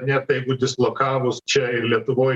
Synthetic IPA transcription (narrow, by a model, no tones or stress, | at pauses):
nʲɛtt̪jɛɪɡʊd̪ʲɪslˠokɑːʋʊst͡ʃʲɛɪɾlʲiɛt̪ʊʋoːj